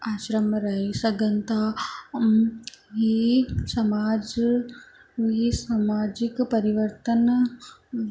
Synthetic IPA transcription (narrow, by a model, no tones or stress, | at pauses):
aːʃɾɐmɾɐɦisɐɡɐnt̪a | ɦisɐmaːd͡ʒ | isamaːd͡ʒikpɐɾiʋəɾt̪ən